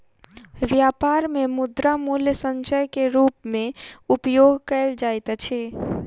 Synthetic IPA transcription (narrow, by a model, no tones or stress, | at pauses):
ʋjapaɾmemud̪ɾamuljəsənt͡ʃəjkeɾupmẽupjoɡkəɪld͡ʒajt̪t͡ʃʰɛ